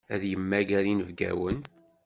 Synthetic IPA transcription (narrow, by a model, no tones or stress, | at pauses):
æðjəmːæɡæɾinəvɡæ̰wən